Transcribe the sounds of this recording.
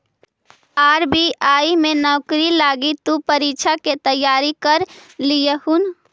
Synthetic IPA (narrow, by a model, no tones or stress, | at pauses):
aːɾbiaːimẽnɔːkɾilaːɡit̪upəɾiːt͡ʃʰaket̪əjːaːɾikəɾlijəhun